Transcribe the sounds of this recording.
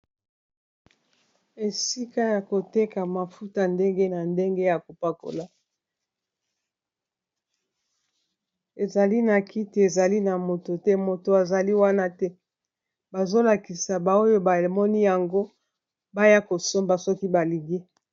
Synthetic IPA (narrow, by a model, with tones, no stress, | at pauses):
e˨si˦ka˦ja˨ko˨te˦ka˨ma˨fu˦ta˨nde˦ŋɡe˦na˨nde˦ŋɡe˦ja˨ko˨pa˦ko̰˨la˨ | e˨za˨li˦na˨ki˦ti˨e˨za˨li˦na˨mo˨to˨tɛ˦mo˨to˨a˨za˨li˦wa˦na˦tɛ˦ | ba˨zo˦la˨ki˨sa˨ba˨o˦jo˦ba˨mɔ˦ni˦ja˨ŋɡo˦ | ba˦ja˦ko˨so˦mba˨sɔ˦ki˦ba˨li˨ŋɡi˦